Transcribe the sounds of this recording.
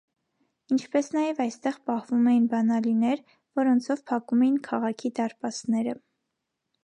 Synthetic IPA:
int͡ʃʰpɛsnɑjɛvɑjst̪ɛʁpɑhvumɛjinbɑnɑlinɛɾ | vɔɾɔnt͡sʰɔvpʰɑkumɛjinkʰɑʁɑkʰid̪ɑɾpɑt͡snɛɾə

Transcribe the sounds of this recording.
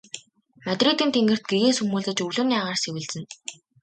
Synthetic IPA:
mat̪riːt̪iːnt̪ʰeŋɡɘ̆r̥t̪̚ɡeɣeːsɵmuːɮtɘ̆t͡ɕɵɮɵ̆ːniaʁaːrsewɘ̆ɮt͡sɘ̆n

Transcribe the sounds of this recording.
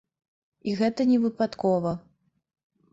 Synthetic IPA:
iɣɛt̪ɐnʲɛvɨpat̪kɔvɐ

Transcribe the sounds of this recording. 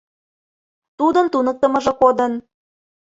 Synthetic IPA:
t̪ud̪ənt̪unək̚t̪ə̆mɤ̆ʒɤ̆kod̪ən

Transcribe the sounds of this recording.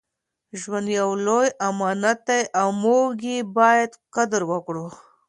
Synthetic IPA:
ʒwand̪jawlojamɑnat̪ajʔawmoɡebɑjad̪qad̪ɾwəkɽu

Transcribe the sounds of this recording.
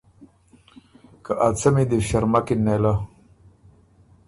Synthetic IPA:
kaʔat͡sɐmid̪ifɕɐɾmakinːela

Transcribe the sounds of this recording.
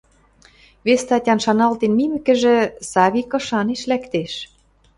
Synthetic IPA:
βest̪ɑtʲɑnʃɑnɑlt̪enmimɘ̆kɘ̆ʒĕsɑβʲikɤ̆ʃɑneʃlækt̪eʃ

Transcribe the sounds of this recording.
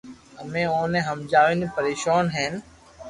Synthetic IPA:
əmẽːõːnẽːɦəmd͡ʒaːʋẽːnipəɾeːʃaːnɦeːn

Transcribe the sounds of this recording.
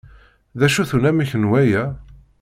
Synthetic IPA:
ðæʃuθunæmiçənwæjæ

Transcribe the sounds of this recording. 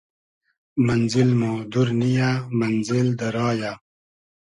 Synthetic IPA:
mɐnzilmõːd̪uɾnijamɐnzild̪ɐɾɑːja

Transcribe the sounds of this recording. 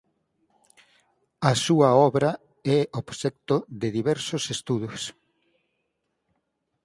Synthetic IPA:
ɐsuɐɔβɾɐ | ɛoβsɛk̚t̪oðɪðiβɛɾsosest̪uðʊs

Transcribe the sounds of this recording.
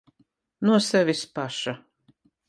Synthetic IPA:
nuɔsɛvʲispaʃa

